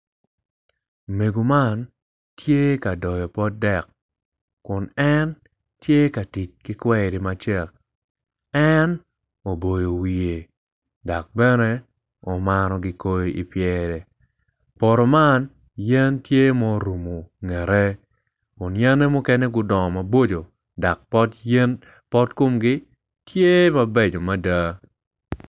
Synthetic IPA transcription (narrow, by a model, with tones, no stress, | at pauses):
me˨ɡo˨ma˦n | tʰje˦ka˨dɔ˨jɔ˨pɔ˦dɛ˦˨k | kːʊ˨nɛ˦n | tje˦ka˨ti˨t͡ʃki˦kwɛ˦˨ɾi˨ma˦t͡ʃɛ˦˨k̚ | ɛ˦n | o˨bo˨jo˨wi˨je˨ | dɔ˨k̚bɛ˦nɛ˦ | ɔ˨ma˦nɔ˦ɡɪ˨ko˦jo˦ḭ˨pjɛ˦ɾɛ˨ | pɔ˨ɾo˨ma˦n | jɛ˦ntje˦mɔ˦ɾu˨mo˨ŋɛ˨ɾɛ˦ | ɔ˨njɛ˦nɛ˦mʊ˦kɛ˦ne˦ɡʊ˦dɔ˨ma˨bo˦d͡ʒo˨ | da˨k̚pɔ˦tɛ˦n | pɔ˦tko˦mɡɪ˦ | tje˦ma˦be˦˨d͡ʒo˨ma˦da˦